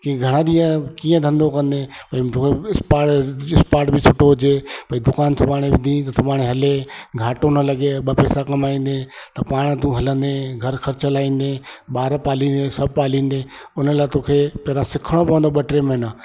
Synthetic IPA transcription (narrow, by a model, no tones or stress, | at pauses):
kiɡʱɐɽ̃ãɗ̪iːə̃kĩːə̃d̪ʱɐ̃nd̪okɐ̃nd̪epɐĩt̪oːkʰeɪspaːʈɪspaːʈbʱɪt͡ʃʰʊʈoɦʊd͡ʑepɐĩd̪ʊkaːnt̪ʰʊbaːɽ̃ebɪd̪ʱĩt̪ɐt̪ʰʊmaːɽ̃eɦɐleɡʱaːʈonəlɐɡeɓəpɛːsakɐmaːĩːn̆d̪et̪ɐpaːɽ̃t̪ũɦɐlə̃nd̪eɡʱɐɾxʰɐɾɐlaːĩːn̆d̪eːɓaːɾpaːlĩːnd̪esɐb̚ʱpaːlĩːnd̪eː | ʊnəlaːt̪oːkʰepɛːɾãsɪkʰəɽ̃opɐʋə̃nd̪oɓɐʈɾemẽnə